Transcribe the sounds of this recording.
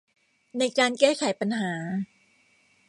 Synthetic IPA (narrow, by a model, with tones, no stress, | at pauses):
na˧jkaː˧nkɛː˥˩kʰa˨˦jpa˧nɦaː˩˦